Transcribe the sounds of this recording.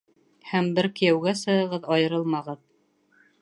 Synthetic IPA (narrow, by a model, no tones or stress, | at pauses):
hæmbɘɾkɘ̆jæwɡæsɤ̆ɤ̆ʁɤðɑjɤ̆ɾɤlˠmɑʁɤð